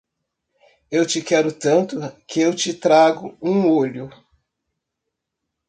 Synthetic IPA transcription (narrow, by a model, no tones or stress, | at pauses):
ewt͡ʃɪkɛɾʊt̪ɐ̃nt̪ʊkɪewt͡ʃɪt̪ɾaɡʊũoʎʊ